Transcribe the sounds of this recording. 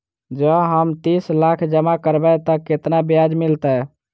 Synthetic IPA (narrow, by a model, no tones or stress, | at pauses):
d͡ʒəɦəmt̪islakʰd͡ʒəmakəɾbɛt̪ɔket̪nabjad͡ʒmilt̪ə